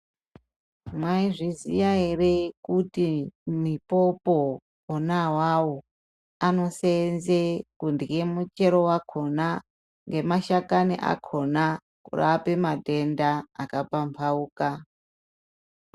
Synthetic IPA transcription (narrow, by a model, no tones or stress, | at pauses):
mwaiʐizijaerekutimipo̞poː | nawawo | ano̞senzekundiɣe̞mut͡ʃe̞ɾo̞wakʰo̞na | ŋɡe̞maʃakanḭʔa̰kʰo̞na | kṵra̰pe̞madʱe̞ndaːkapampʰauːka